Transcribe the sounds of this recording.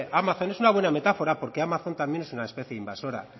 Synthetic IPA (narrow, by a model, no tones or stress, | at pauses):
ʔamaθo̞ne̞sunaβ̞we̞name̞t̪afo̞ɾapo̞ɾke̞amaθo̞nt̪ambje̞nesunaespeθjeimbaso̞ɾa̰